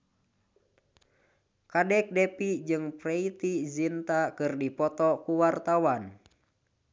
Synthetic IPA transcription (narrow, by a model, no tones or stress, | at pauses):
kadɛk̚dɛpid͡ʒɨŋpɾɛit̪izint̪akɨrdipɔt̪ɔkuwart̪awan